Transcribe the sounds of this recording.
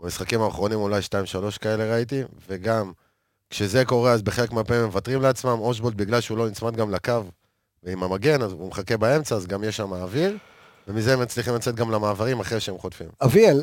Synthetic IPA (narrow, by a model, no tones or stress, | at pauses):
bamisχakimaːχʁo̞nimolajʃtaimʃalo̞ʃkae̞le̞ʁait̪̬ive̞ɡam | kʃe̞ze̞ko̞ʁe̞azbe̞χe̞le̞kmeapeimemevat̪ʁimleat͡smamoʃ̬bolt̪̚biɡlalʃeulo̞nit͡smad̪ɡamlakav | veimamaɡe̞nazumeχake̞bae̞mt͡saːzɡamjeʃamaːviʁ | ve̞mize̞emat͡sliχimlat͡se̞t̪̚ɡamlamaːvaʁimaχʁejʃeemχo̞tfḭmaviel